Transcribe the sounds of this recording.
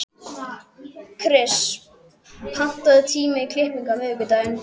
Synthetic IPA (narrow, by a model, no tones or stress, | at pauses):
kʰɾɪs | pʰan̥t̪aðɪt̪ʰiːmɪikʰlɪhpiŋkamʏːkʏt̪aːɥn